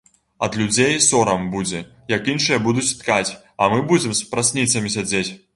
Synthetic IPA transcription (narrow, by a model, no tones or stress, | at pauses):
ɐ̰d̪lʲud͡zʲejsɔɾɐmbud͡zʲɛ | jɐkinʂɨjɐbud̪ut͡sʲt̪kat͡sʲ | ɐmɨbud͡zʲɛmspɾasʲnʲit̪sɐmʲisʲad͡zʲet͡sʲ